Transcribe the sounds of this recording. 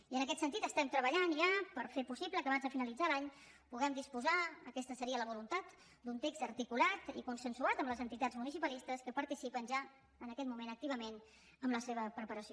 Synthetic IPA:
iənəkɛt̪sənt̪it̪əst̪ɛmt̪ɾəβəʎanʒapəɾfepusibləkəβanzðəfinəlid͡zalaɲ | puɣɛmd̪ispuzaə̰kɛst̪əsəɾiələβ̞ulunt̪at̪ | d̪unt̪ekzəɾt̪ikulat̪ḭkunsənsuat̪əmləzənt̪it̪ad͡zmunisipəlist̪əskəpəɾt̪isipənʒa | ənəkɛt̪̚mumenək̚t̪iβ̞əmen | əmləseβəpɾəpəɾəsi

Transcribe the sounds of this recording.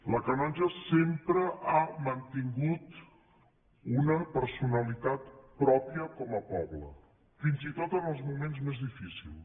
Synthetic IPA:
ləkənɔʒəsempɾəʔamənt̪iŋɡut̪ | unəpəɾsunəlit̪at̪pɾɔpiəkɔməpɔβlə̰ | finzit̪ot̪ənəlˠzmumenzmezðifisḭlˠ

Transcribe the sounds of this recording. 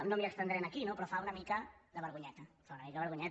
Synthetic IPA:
nomjekst̪end̪ɾenakinopɾɔfaunamikaðəβəɾɣuɲɛt̪ɐfaunamikaðəβəɾɣuɲɛ

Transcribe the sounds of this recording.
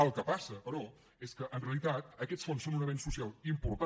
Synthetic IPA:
əlˠkəpasəpəɾɔ | eskəʔənreəlˠit̪at̪̚əkɛt͡ssfonsːonunəβensusialˠimpuɾt̪a

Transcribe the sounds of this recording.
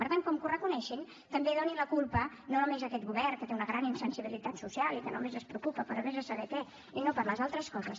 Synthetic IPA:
pəɾt̪aŋkɔmkurəkunɛʃin | t̪əmbeðoninləkulˠpə | nonomezəkɛt̪̚ɣuβɛrkət̪eunəɣɾaninsənsiβ̞ilit̪at̪susialˠikəno̰mezəspɾəukupəpəɾomezəsəβɛkɛ | inopəɾləzalˠt̪ɾəskɔzs

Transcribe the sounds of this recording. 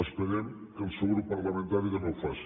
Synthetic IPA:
əspəɾɛm | kəlˠsewɣɾupːəɾləmənt̪aɾiðənowfasi̥

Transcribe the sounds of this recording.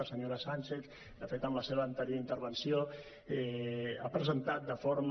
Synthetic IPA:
səɲoɾasanʲt͡ʃeθ | afet̪əmləseβəːnt̪əɾjoint̪əɾβənsio | ɛapɾəzənt̪at̪̚d̪əfoɾm

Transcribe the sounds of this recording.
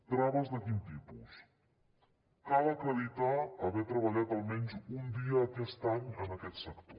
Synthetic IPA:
d̪ɾaməzd̪əkint̪ipṵs | kaləkəlit̪aːβɛt̪ɾəβɐʎat̪alˠmɛnzund̪iəːkɛst̪aɲənəkɛt̪səkt̪o

